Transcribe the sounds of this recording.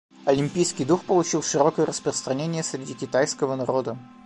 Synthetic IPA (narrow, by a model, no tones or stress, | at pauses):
ɐlʲɪmʲpʲijskʲɪjd̪uxpəlˠʊt͡ɕilˠʂɨɾokəjəɾəspɾəst̪ɾɐnʲenʲɪjəsɾʲɪdʲikʲɪt̪ajskəvənɐɾo̞d̪ə